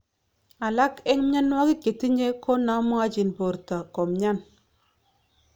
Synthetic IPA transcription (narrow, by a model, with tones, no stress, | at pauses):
a˨la˦kɛ˦ŋ˦m˦ɲa˦n˦a˦ki˦ke˨ti˦ɲe˦kʰo˦na˨˦mɔ˦a˦d͡ʒi˨npo˨ɾta˨kɔ˨mɲa˦n